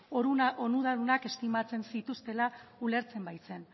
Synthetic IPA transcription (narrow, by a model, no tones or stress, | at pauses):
oɾuonuð̞aðunake̞st̪imat͡se̞nsit̪ust̪e̞laule̞ɾt͡se̞mbajt͡se̞n